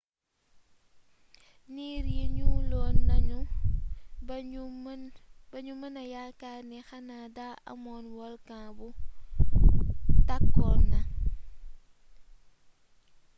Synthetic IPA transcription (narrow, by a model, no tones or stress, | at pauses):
niɾjiɲulɔːnːɐɲu | b̥ɐɲumɐnɐjakaːnɛxɐnadaʔɐ̰mɔːnwɔlkãbu | takːɔnɐ